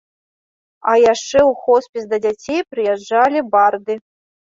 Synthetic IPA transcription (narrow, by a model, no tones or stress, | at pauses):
ajaʂt͡ʂɛuxɔspʲisd̪ɐd͡zʲat͡sʲejpɾɨjɛd͡ʐːalʲibard̪ɨ